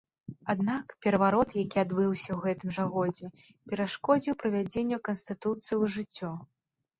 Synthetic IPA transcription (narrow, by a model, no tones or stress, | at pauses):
ad̪nakpʲɛɾɐvaɾɔt̪jakʲiad̪bɨwsʲɐwɣɛt̪ɨmʐɐɣɔd͡zʲɛ | pʲɛɾaʂkɔd͡zʲiwpɾɐvʲad͡zʲenʲːɐkɐnst̪ɨt̪ut̪sɨjiwʐɨt͡sʲːɔ